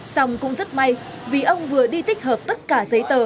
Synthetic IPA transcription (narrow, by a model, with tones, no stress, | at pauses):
sa˧wŋ͡mkʊ̰˧˥ŋ͡mzə˦˥t̚ma˧˩j | vi˨˩ʔə˧wŋ͡mvɨ˨˩əɗi˧t̪ï˦˥k̟̚həː˨˩p̚t̪ə˦˥t̚kaː˧˩zə˨˦jt̪əː˨˩